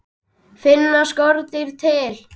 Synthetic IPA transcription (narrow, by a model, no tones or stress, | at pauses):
fɪnːaskɔɾt̪ɪɾ̥t̪ʰɪl